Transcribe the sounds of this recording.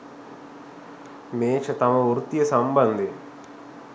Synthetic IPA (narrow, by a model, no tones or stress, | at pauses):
meːt͡ʃɐt̪ɐmɐuɾut̪jɐsɐmbɐnd̪i